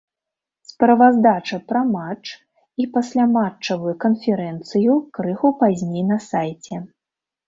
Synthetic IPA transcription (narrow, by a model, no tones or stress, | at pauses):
spɾɐvazd̪at͡ʂɐpɾɐmat͡ʂ | ipasʲlʲamat͡ʂt͡ʂːɐvujukɐnfʲɛɾɛnt̪sɨjukɾɨxupazʲnʲejnɐsajt͡sʲɛ